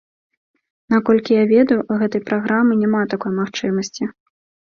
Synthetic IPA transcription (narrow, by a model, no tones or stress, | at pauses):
nakɔlʲkʲijavʲɛd̪ɐjuɣɛt̪ɐjpɾaɣɾamɨnʲɛmat̪akɔjmaxt͡ʂɨmɐsʲt͡sʲi